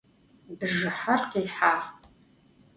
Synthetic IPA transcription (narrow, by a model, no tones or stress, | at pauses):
bɨʒɨħarqiːħaːʁʼ